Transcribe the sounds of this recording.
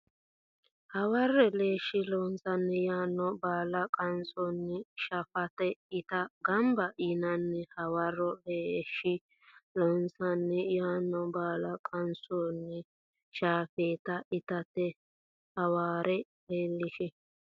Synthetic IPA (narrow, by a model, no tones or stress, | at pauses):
hɐwɐrːɛleːʃɪlɔnsɐnːɛjaːnːɔbaːlɐkʼɐnsɔnːɛʃɐfɐt̪ɛɪt̪ɐɡɐmbɐʔinɐnːɛhɐwɐrːɔleːʃːɪ | lɔnsɐnːɛjaːnːɔbaːlɐkʼɐnsɔnːɛ | ʃaːfeːt̪ɐʔɪt̪ɐt̪ːɛ | hɐwaːɾɛ | heːlːɪʃɛ